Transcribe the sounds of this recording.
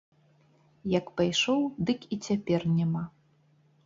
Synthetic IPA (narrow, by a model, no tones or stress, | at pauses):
jɐkpajʂɔwd̪ɨkit͡sʲapʲɛrnʲama